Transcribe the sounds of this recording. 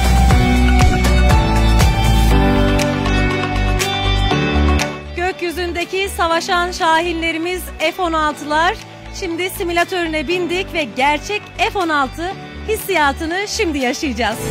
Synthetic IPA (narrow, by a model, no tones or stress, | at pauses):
ɟ̥øcjyzynd̪e̞cʰisavaʃanʃaːɦilʲːe̞ɾimizefo̞nalˠt̪ʰɯlˠaɾ̥ | ʃimd̪isimilʲat̪ʰø̞ɾynɛbind̪icvɛɟæɾt͡ʃʰɛcefo̞nalˠt̪ʰɯ | hisːijaːt̪ʰɯnɯʃimd̪ijaʃɯjɯd͡ʒaz̥